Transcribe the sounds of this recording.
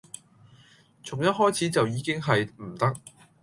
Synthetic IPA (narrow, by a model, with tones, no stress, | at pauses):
t͡sʰʊ˨˩ŋjɐ˥t̚ɦɔː˥jt͡sʰiː˨˥t͡sɐ˨wjiː˨˧kɪ˥ŋɦɐ˨jm̩˨˩t̪ɐ˥k̚